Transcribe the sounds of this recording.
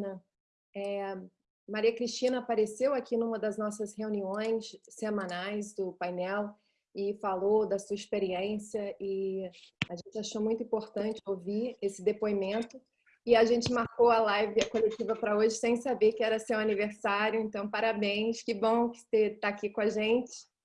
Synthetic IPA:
nɐ | ɛ | maɾiɐkɾist͡ʃĩnɐːpaɾesewakinũmɐd̪ɐznɔsɐsheũniõj̃sːemɐ̃najzd̪ʊpajnɛw | ɪfalod̪ɐsuɐispeɾiẽsijɐɪ | aʒẽnt͡ʃɪaʃowmũj̃t̪ʊĩpoɾt̪ɐ̃nt͡ʃɪoviesɪd̪epoimẽnt̪ʊ | ɪaʒẽnt͡ʃɪmaɾkowɐlajvɪkolet͡ʃivɐpɾɐoʒɪsẽj̃sabekɪɛɾɐsewaniveɾsaɾjʊẽnt̪ɐ̃w̃paɾabẽj̃skɪbõw̃kɪ̥set̪aːkikõaʒẽnt͡ʃɪ̥

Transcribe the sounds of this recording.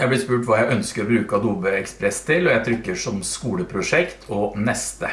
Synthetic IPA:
jæɪblɪspʉːʈʋɑːjæɪʔœnskəɾɔbɾʉːkɑd̪uːbəɛkspɾɛst̪ʰɪlːɔjæɪt̪ʰɾʏkːəʂɔmskuːləpʰɾʊʂɛkt̪ʰɔnɛst̪ə

